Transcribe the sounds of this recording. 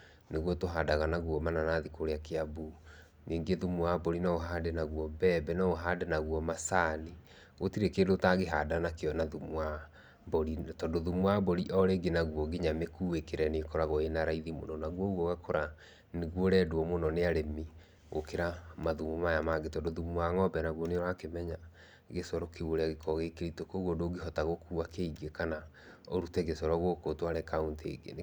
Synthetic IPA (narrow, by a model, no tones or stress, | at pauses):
neɣwɔtoɦadaɣanaɣwɔmananaːðikoɾeakeabu | niːŋɡeðumwabɔɾinaoɦaːdenaɣwɔbɛːbɛnɔoɦadenaɣwɔmasaːni | otiɾekeːndotaɣeɦadanakeɔnaðumwa | bɔɾitɔndoðumwabɔɾiʔɔɾeɡenaɣuɔɡeɲamekuːekeɾɛnekɔɾaɣɔenaɾaiðimo̰nɔnaɣwɔɣwɔɣakʰoɾa | neɣwoɾɛdwɔmonɔneaɾemi | ɣo̰keɾamaðumomajamaɡetɔndoðumwaŋɔbɛnaɣwɔneɾakemɛɲa | ɣesɔɾɔkeoɾeaɣekʰɔɣekeɾitokoɣodoɡeɦɔtaɣokuːakeiɡekana | oɾutɛɣesɔɾɔɣwokotwaɾɛkauntḛɡḛn